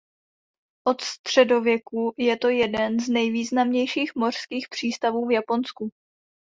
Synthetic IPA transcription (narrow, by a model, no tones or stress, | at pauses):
ʔo̞t̪st̪r̝̥ɛdo̞vjɛkujɛt̪o̞jɛdɛnznɛjviːznamɲɛjʃiːxmo̞r̥skiːxpr̝̥iːst̪avuːvjapo̞nsku